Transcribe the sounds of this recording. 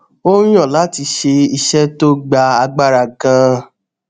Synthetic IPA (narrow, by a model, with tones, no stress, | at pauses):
õ˦j̃ɔ̃˨la˨˦ti˧ʃe˧i˧ʃɛ˦to˦ɡ͡ba˧a˧ɡ͡ba˧ɾa˨ɡã˨˧